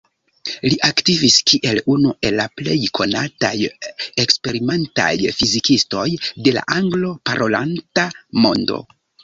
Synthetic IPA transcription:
liʔaktiviskiʔe̞lunuʔe̞lːaple̞jkʰo̞na̰tajekspe̞ɾime̞nta̰jfizikisto̞jde̞la̰ʔaŋɡlo̞paɾʔo̞lantamo̞̰ndo̞̰

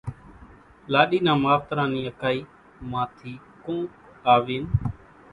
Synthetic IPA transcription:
laːɗiːnãːmaːft̪ɾãːniːəkaːiː | mãːt̪ʰiː | kõː | aːʋiːn

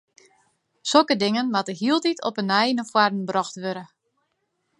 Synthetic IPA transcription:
sokədɪŋənmatəɦiəlˠtitʰɔ̰pənɛjnəfwardn̩brɔxtʋøɾə

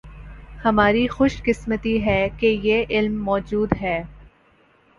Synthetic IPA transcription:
hɐmaːɾixʊʃkɪsmət̪iɦɛːkejeːʔɪlmːɔːd͡ʒuːd̪ɦɛː

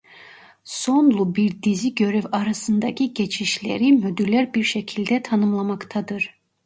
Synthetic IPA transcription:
sonlˠubiɾd̪iziɟø̞ɾyvɑɾɑsɯnd̪ɑcʰiɟet͡ʃʰiʃlḛɾimyd̪yɾlæɾbiɾʃɛcʰilʲd̪ɛt̪ʰɑnɯmlˠɑmɑkt̪ʰɑd̪ɯɾ

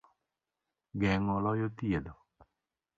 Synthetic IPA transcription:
ɡɛŋɔlɔjot̪jed̪o

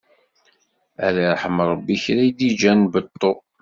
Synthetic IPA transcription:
æ̰ɾaɾˤħəmɾˤɑbːiçɾæjd̪id͡ʒænbət̪ˤːo

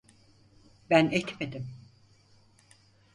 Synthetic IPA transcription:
bænɛt̪me̞d̪im

